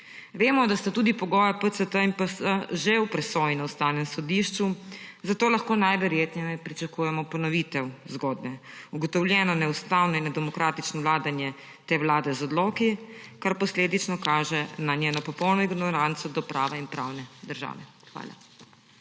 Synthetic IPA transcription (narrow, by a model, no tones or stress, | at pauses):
ʋeːmɔd̪ast̪at̪ud̪ipɔɡɔːjapət̪sət̪əinpəsəʒewpɾɛsɔːjinawst̪aːwnɛmsɔd̪iʃt͡ʃuzat̪oːlaxkoːnajʋɛɾjeːt̪nɛjmɛpɾit͡ʃakuːjɛmɔpɔnɔʋiːt̪ɛwzɡɔːd̪nɛuɡɔt̪ɔwljɛːnɔnɛust̪aːwnɔinɛd̪ɛmɔkɾaːt̪it͡ʃnɔʋlaːd̪anjɛ | t̪eːwlaːd̪ɛzɔd̪lɔːki | kaɾpɔsleːd̪it͡ʃnɔkaːʒɛnanjeːnɔpɔpɔwnɔiɡnɔɾant̪sɔd̪ɔpɾa̰ːʋɛinpɾa̰wnɛd̪əɾʒa̰ːʋɛ | xʋa̰ːla̰